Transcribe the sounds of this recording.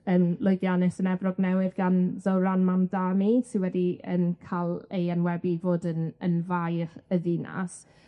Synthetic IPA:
ənlˠʊɨɡjanɛsənɛvrɔɡnɛwɪðɡanðəwɾanmamdanisɪnwɛdiə̰nkʰalˠejənwɛbivoːdənənvajχəðina̰s

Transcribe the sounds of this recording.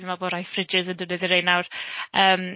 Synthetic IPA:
imaboːɾajfrɪd͡ʒɪzəndənəðɪɾejnawrəːm

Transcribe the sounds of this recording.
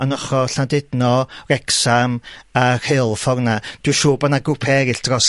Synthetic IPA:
anɔχɔɬandɪdnɔrɛksamar̥helˠfɔrnad̥ɪʃoːbanaɡʊpʰɛɾɪɬd̥rɔs

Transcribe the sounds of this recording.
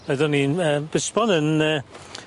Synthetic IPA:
ɛðɔniəːbɪsbɔnənəː

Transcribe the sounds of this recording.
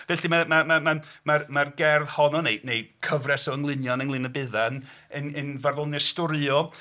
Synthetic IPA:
v̥ɛɬimamamamamarmarɡɛrðhɔnɔnejnejkʰəvrɛsɔəŋlˠɪnjɔnəŋlˠɪnəbɪðanənənvarvɔlˠnɛstʊɾɔ

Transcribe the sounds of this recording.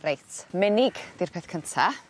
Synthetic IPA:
rejtʰmɛnɪɡd̥ɪrpʰɛθkʰəntʰa

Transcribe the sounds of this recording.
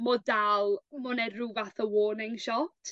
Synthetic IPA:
mɔdalˠmʊnɛruvaθəwoːnɪŋʃɔtʰ

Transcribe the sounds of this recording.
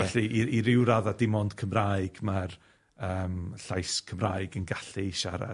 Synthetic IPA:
ɛɬiiɾɪwɾaðadɪmɔnd̥kʰəmraːjɨɡ̥mar | əːmɬajskʰəmraːɨɡənɡaɬiʃaɾa̰

